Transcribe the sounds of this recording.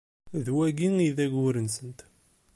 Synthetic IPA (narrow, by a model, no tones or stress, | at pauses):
ðwæɡiŋiðæɡʊɾənsənt̪